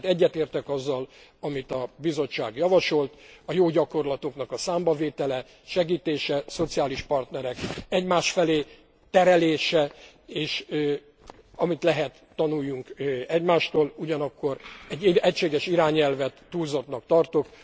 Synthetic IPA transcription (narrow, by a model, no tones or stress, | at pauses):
t̪ɛɟːɛt̪eːrt̪ɛkɒzːɒlɒmit̪ɒbizo̞t͡ʃːa̰ːɡjɒvɒʃo̞lt̪ɒjoːɟɒko̞rlɒt̪okn̪ɒkɒsaːmbɒveːt̪ɛlɛ | ʃɛɡiːt̪eːʃɛso̞t̪sijaːliʃpɒrt̪nɛɾɛkɛɟmaːʃfɛleː | t̪ɛɾɛleːʃɛ | eːʃ | ɒmit̪lɛɦɛt̪ːɒnujːuŋkɛɟmaːʃt̪oːluɟɒnɒkːo̞ɾɛɟːiɛcʃeːɡɛʃiɾaːɲɛlvɛt̪ːuːlzot̪nɒkt̪ɒrt̪ok